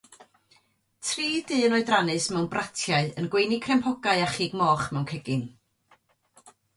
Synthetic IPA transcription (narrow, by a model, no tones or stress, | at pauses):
tʰriːdɨːənɔɨdranɨsmɛwnbratʰjaɨənɡwejnikʰrɛmpʰɔɡaɨaχiːɡmɔːχmɛwnkʰɛɡɨn